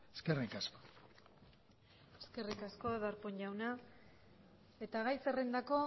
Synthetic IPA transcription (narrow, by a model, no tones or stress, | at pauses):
eskerikasko̥ | eske̞rikasko̞ðaɾpoɲʎawna | e̞t̪aɣajserend̪ako̞